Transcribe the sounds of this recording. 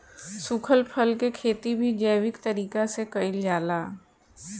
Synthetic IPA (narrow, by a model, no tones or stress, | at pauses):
sʊkʰəlpʰəlkekʰeːt̪ibʱid͡ʒəːwɪkt̪ɐɾiːkasekɐɪld͡ʒaːlaː